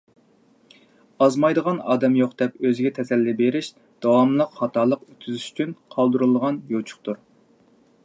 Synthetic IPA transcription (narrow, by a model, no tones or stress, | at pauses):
ɑzmɑjd̪əʁɑnɑːd̪ɛmjoqd̪̥ɛpøzɪɡʲɛt̪ʰɛsɛlːɪbeɾɪʃ | d̪̥ɑwɑmlˠəqhɑt̪ʰɑːlˠəqyt̪kyzyʃy̥t͡ʃʰynqʰɑlˠd̪uɾulˠʁɑnjot͡ʃʰʊ̥χt̪uɾ